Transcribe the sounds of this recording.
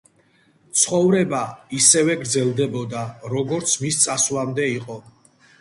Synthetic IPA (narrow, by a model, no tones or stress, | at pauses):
t̪sʰχɔvɾɛbaisɛvɛɡɾd̪zɛlˠd̪ɛbɔd̪aɾɔɡɔɾt̪sʰmist̪sʼaslamd̪ɛiqʼɔ